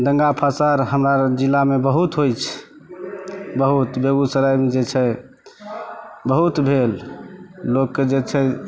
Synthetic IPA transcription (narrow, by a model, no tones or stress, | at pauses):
d̪əŋɡapʰasaɾɦəmɾad͡ʒilːamebəɦut̪ɦojt͡ʃʰ | bəɦut̪beɡusəɾajmd͡ʒet͡ʃʰɛ | bəɦut̪bʱel | lokːed͡ʒet͡ʃʰɛ